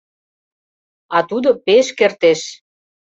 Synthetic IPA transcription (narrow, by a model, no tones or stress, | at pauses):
ɑt̪ud̪opeʃkert̪eʃ